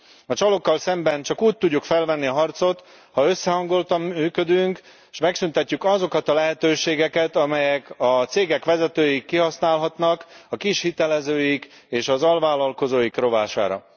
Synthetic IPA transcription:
ɒt͡ʃɒlo̞kːɒlsɛmbɛnt͡ʃɒkuːc̚t̪uɟːukfɛlvɛnːiɒɦɒrt̪so̞t̪ | hɒø̞sːɛɦɒŋɡo̞lt̪ɒmːyːkød̪yŋk | ʃmɛksynt̪ɛcːykɒzo̞kɒt̪ɒlɛɦɛt̪øːʃeːɡɛkɛt̪ɒmɛjɛkɒt̪seːɡɛkʋɛzɛt̪øːjikːiɦɒsnaːlɦɒt̪nɒkɒkiʃhit̪ɛlɛzøːjik | eːʃɒzɒlvaːlɒlko̞zoːjikro̞vaːʃa̰ːɾɒ̰

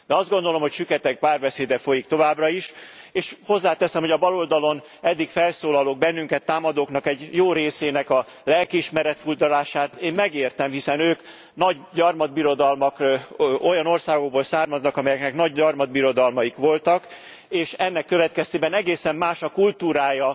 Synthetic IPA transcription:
d̪ɛɒzd̪ɡo̞n̪d̪o̞lo̞mho̞cʃykɛt̪ɛk̚paːrbɛseːd̪ɛfo̞jik̚t̪o̞vaːbrɒiʃeːʃho̞zːaːt̪ɛsɛmhoɒbɒlo̞ld̪ɒlo̞n | ɛd̪ːikfɛlsoːlɒloːɡ̚bɛnːyŋkɛt̪ːaːmɒd̪oːknɒkɛɟjoːɾeːseːnɛkɒ | lɛlkiːʃmɛɾɛt̪furd̪ɒlaːʃaːt̪eːmmɛɡeːrt̪ɛmɦisɛnøːk | nɒɟɟɒrmɒd̪̚biɾo̞d̪ɒlmɒkʔo̞jɒno̞rsaːɡo̞ɡ̚boːlsaːrmɒznɒkɒmɛjɛknɛknɒɟɒrmɒd̪̚biɾo̞d̪ɒlmɒjikʋo̞lt̪ɒk | eːʃɛnːɛkːøvɛt̪kɛst̪eːbɛnɛɡeːsɛmːaːʃɒkult̪uːɾaːjɒ

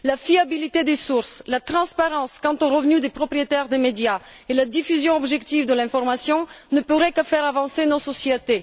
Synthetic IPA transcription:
lafiabilit̪ed̪esuʁslat̪χɑ̃spaʁɑ̃skɑ̃t̪ɔ̃ʁəvnyd̪epχɔpχijet̪ɛʁd̪emed̪ja | elad̪ifyzjɔ̃ɔbʒɛkt̪ivd̪əlɛ̃fɔʁmasjɔ̃nəpuʁɛkəfɛʁavɑ̃senosɔsjet̪e

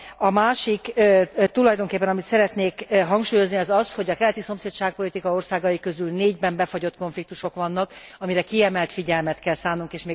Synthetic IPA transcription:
ɒmaːʃikːt̪ulɒjd̪o̞ŋkeːpːɛnɒmit̪sɛɾɛt̪neːkɦɒŋkʃuːjo̞zniɒzɒsho̞ɟɒkɛlɛt̪iso̞mseːt̪ʃaːk̚po̞lit̪ikɒo̞rsaːɡɒjikøzylneːɟbɛmbɛfoɟo̞t̪ko̞ɱflik̚t̪uʃo̞kʋɒnːɒkɒmiɾɛkiɛmɛlt̪fiɟɛlmɛt̪kɛlsaːnːuŋkeːʃmeː

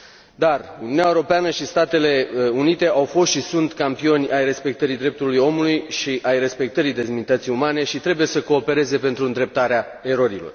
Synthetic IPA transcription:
d̪arununjaeɾo̞peanəʃist̪at̪e̞le̞unit̪e̞ʔawfo̞st̪ʃisunt̪kampio̞nʲajre̞spe̞k̚t̪əɾid̪ɾe̞p̚t̪ulujo̞mulujʃiʔajre̞spe̞k̚t̪əɾid̪e̞zminit̪ət̪sijumane̞ʃit̪ɾe̞buje̞səko̞ːpe̞ɾe̞ze̞pe̞nt̪ɾund̪ɾe̞p̚t̪aɾea | e̞ɾo̞ɾilo̞̰r

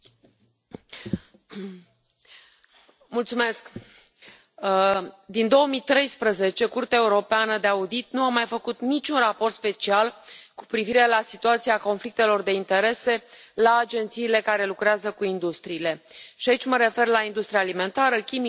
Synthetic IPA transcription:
mult̪sume̞sk | d̪ind̪o̞əmit̪ɾe̞jspɾəze̞t͡ʃe̞kurt̪ae̞uɾo̞peanəd̪e̞aud̪it̪̚nuamajfəkut̪nit͡ʃʲunrapo̞rt̪spe̞t͡ʃialku̥pɾiviɾe̞lasit̪uat̪siako̞nflik̚t̪e̞lo̞rd̪e̞int̪e̞ɾe̞se̞laːd͡ʒe̞nt̪siːle̞kaɾe̞lukɾeazəkuind̪ust̪ɾiːle̞ʃiait͡ʃʲməɾe̞fe̞rlaind̪ust̪ɾijaːlime̞nt̪aɾəkʲimi

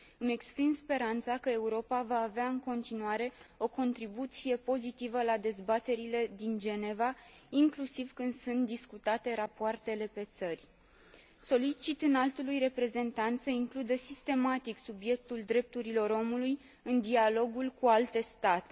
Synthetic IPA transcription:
ɨme̞kspɾimspe̞ɾant̪sakəe̞uɾo̞pavaːveaɨŋko̞nt̪inuaɾe̞o̞ko̞nt̪ɾibut̪sije̞po̞zit̪ivəlad̪e̞zbat̪e̞ɾile̞d̪ind͡ʒe̞ne̞va | iŋklusiv̥kɨnd̪sunt̪̚d̪iskut̪at̪e̞ɾapoart̪e̞le̞pe̞t̪sərʲ | so̞lit͡ʃit̪ɨnalt̪ulujre̞pɾe̞ze̞nt̪ant̪səiŋklud̪əsist̪e̞mat̪iksubje̞k̚t̪uld̪ɾe̞p̚t̪uɾilo̞ɾo̞muluj | ɨnd̪ialo̞ɡulkualt̪e̞st̪at̪e

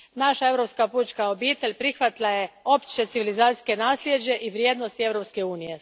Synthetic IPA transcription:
naʃae̞ʋɾo̞pskapuːt͡ʃkao̞biːt̪eʎʲpɾixʋat̪lˠaje̞o̞pt͡ʃe̞t̪siʋilizaːt̪i̥ske̞naːsljed͡ʑe̞ʔiʋɾjeːd̪nost̪ie̞ʋɾo̞pske̞uːnije̞

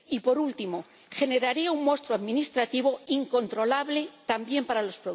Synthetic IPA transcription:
ipo̞ɾult̪imo̞ | xe̞ne̞ɾaɾiauŋmo̞st̪ɾoaðmĩnist̪ɾat̪iβo̞iŋko̞nt̪ɾo̞laβle̞t̪ambje̞mpaɾalospɾo

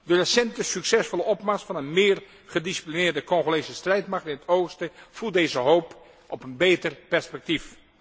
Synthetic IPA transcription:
dərəsɛntəsyksɛsfɔlˠəʔɔpmasfɑnənmɪːr | χədisi̥plinɪːɹdəkɔŋχolejsəstrɛjtmaχtɪnətʰowχstəfulˠdeːzəɦoːp | ʔɔpənbeːtərpɛɹspɛk̚tif

